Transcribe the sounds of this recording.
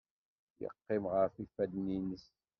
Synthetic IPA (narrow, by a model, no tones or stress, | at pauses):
jə̰qːɪmʁəɾfifːæd̪ninəs